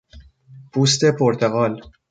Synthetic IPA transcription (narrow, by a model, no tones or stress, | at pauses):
pʰuːst̪e̞pʰoɾt̪ʰeɣɒːl